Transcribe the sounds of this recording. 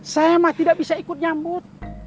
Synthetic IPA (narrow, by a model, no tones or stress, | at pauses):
sajamat̪idaʔ̚bisaikut̪̚ɲambut̪̚